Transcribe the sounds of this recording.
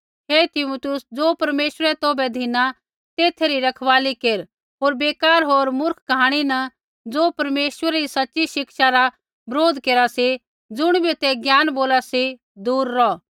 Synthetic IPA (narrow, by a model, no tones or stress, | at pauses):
ɦeːt̪ɪmuːt̪ʊsd͡zoːpɐɾmeːʃəɾɛt̪oːbɛd̪ʱɪna | t̪eːt̪ʰeɾiɾɐkʰʋaːlikeːɾ | ɦoːɾbeːkaːɾɦoːɾmʊɾkʰkɐɦaːɽ̃inɐ | d͡zoːpɐɾmeːswəɾɛɾisɐtːʃiʃɪkʃaɾa | bɾoːd̪ʱkeːɾasi | d͡zʊɽ̃bʱit̪ɛɡjaːnboːlasi | d̪uːɾːɔ